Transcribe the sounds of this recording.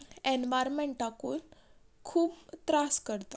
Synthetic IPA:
ɛnʋajɾmeɳʈʈakuːn | kʰuːpt̪ɾaskəɾt̪a

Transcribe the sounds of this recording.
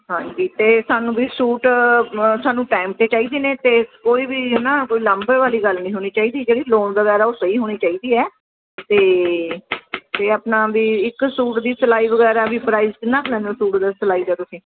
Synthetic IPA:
ɦãːɲd͡ʒiːt̪eːsaːnũːbiːsuːʈ | saːnũːʈaːɪm̚t̪eːt͡ʃaːiːd̪iːneːt̪eːkoːiːbiːɦnãːkoːiːləmbəʋaːliːɡəlnĩːɦoːñiːt͡ʃaːiːd̪iːd͡ʒeːɽiːloːɳʋəɣɛːɾaːoːsəiːɦoːñiːt͡ʃaːiːd̪iːɛː | t̪eː | t̪eːaːpnaːbiːɪksuːʈd̪iːsəlaːiːʋəɡɛːɾaːbiːpɾaːɪzɪnãklɛ̃ːnd̪osuːʈd̪aːsəlaːiːd̪ɛːt̪ʊsĩː

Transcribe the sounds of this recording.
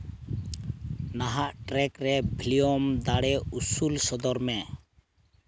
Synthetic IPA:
naɦaʔʈɾɛkɾɛbʱiliɔmd̪aɽɛusulsɔd̪ɔɾmɛ

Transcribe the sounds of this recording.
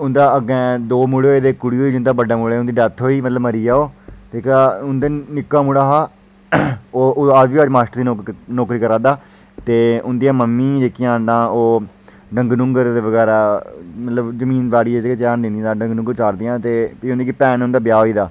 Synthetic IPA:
ʊnd̪aːəɡɛ̃ːd̪oːmuɽeoeːd̪eːkːʊɽiːɦoːiːd͡ʒʊnd̪aːbəɖaːmʊɽeːʊ̃nd̪iːɖət̪ʰːɦoːiːmət̪ləbməɾiːaːoːt̪eːkaːʊnd̪eːnɪkːaːmʊɽaːɦaː | oːaːʋiːəd͡ʒmaːsʈəɾd̪iːnɔːkɾiːkəɾãːd̪aː | t̪eːʊnd̪ijãːməmːiːd͡ʒeːkɪjãːnd̪ãːoː | ɖəŋɡnʊ̃ŋɡəɾd̪eːʋəɡɛːɾaːmət̪ləbzəmĩːnbaːɽiːed͡ʒket͡ʃaːnd̪ɪ̃nĩd̪aːɖə̃ŋɡnʊ̃ŋɡəɾt͡ʃaːɾd̪ijãːt̪eːpiʊ̃nd̪ikipɛːnʊ̃nd̪aːbɪjaːɦoːiːd̪aː

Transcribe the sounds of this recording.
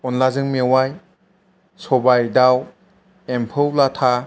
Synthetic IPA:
ɔnlazɯŋmewaj | sɔbajdaw | empʰɯwlatʰa

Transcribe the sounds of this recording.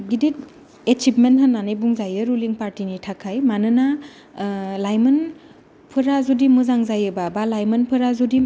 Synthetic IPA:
ɡidit̚ | et͡ʃipmentɦɐnːanijbuŋzajɯɾuliŋpaɾtinitʰakʰajmanɯna | lajmɯn | pʰɯɾazudimɯzaŋzajɯbabalajmɯnpʰɯɾazudi

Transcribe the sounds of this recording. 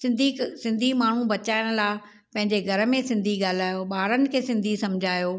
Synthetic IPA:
sɪ̃nd̪ʱisɪ̃nd̪ʱimaːɳ̤ũbɐt͡ɕaːɪɽ̃laː | pɐ̃ɦɪ̃ɲd͡ʑeɡʱɐɾə̆mẽsɪ̃nd̪ʱiɡaːl̤aːjoɓaːɾənɪ̆kʰeːsɪ̃nd̪ʱisɐmd͡ʑʱaːjoː

